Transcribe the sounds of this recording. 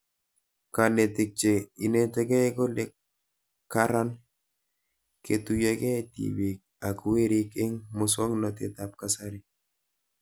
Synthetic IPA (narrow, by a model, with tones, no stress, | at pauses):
kane˨tɪ˨k̚t͡ʃe˨i˨ne˦tɛ˦kɛ˦ko˦lɪ˦kː | a˦ɾa˦n | ke˨tujake˦tḭwi˨k̚a˨kʊ˨we˦ɾi˦kɪ˦ŋmʊswɔ˦ŋnɔt̪ɪ̰˨t̪ap̚kasa˦ɾi˦